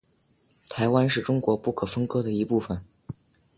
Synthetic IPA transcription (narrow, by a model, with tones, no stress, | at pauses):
t̪ʰa˧˥ɪwa˥nʂɻ̩˥˩ʈ͡ʂʊ˥ŋkwɔ˧˥pu˥˩kʰɤ˨˩fə˥ŋkɤ˥d̪ə˨i˧˥pu˥˩fə˨˩n